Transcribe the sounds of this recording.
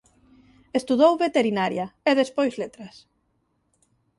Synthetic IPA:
est̪uðowβet̪eɾinaɾjaeðespojzlet̪ɾas

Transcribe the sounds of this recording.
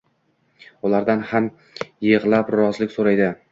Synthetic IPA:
ʊlaɾd̪anham | jeʁlˠapɾɒzlɪkʲsoɾajd̪ɪ

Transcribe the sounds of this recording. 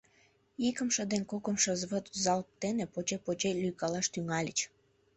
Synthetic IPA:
ikə̆mʃə̆d̪enkokəmʃə̆zβət̪zɑlp̚t̪enepot͡ɕepot͡ɕelʲyjkɑlɑʃt̪yŋɑlʲə̰t͡ɕ

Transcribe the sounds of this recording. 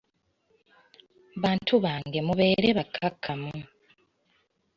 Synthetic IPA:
βaːntʰuβaːŋɡe̞muβe̞ːɾeβakʰːakʰːamu

